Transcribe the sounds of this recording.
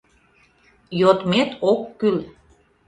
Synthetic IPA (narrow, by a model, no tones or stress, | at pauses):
jot̪met̪okːyl